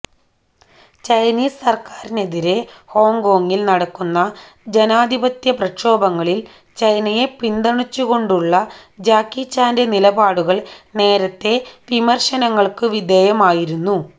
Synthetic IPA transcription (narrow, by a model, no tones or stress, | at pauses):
t͡ɕɐjniːsɐrkaːɾine̞ðiɾe̞ho̞ːŋɡo̞ːŋːilnɐɽɐkːunːɐ | d͡ʑe̞naːd̪ʱibɐt̪jɐprɐkʂo̞ːbɐŋːɐɭil | t͡ɕɐjnɐje̞pind̪ɐɳit͡ɕːuɣo̞ɳɖuɭːɐd͡ʑaːkːit͡ɕːaːnde̞nilɐbaːɽuɣɐɭne̞ːɾɐt̪ːe̞ʋimɐrʂɐnɐŋːɐɭkɨʋid̪ʱeːjɐmaːjiɾunːu